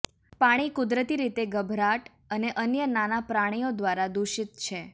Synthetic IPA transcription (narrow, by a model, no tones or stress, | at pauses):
paɽ̃ikʊd̪ɾət̪iɾit̪eɡəbʱɾaʈ | əneʔənjənanapɾaɽ̃ijod̪ʋaɾad̪uʃit̪t͡ʃʰe